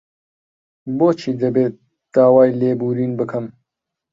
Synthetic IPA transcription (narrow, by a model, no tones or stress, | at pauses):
boːt͡ʃʰiːd̪ɐbeːt̪ | d̪̥aːwaːjleːbuːɾiːnbɨkʰɨm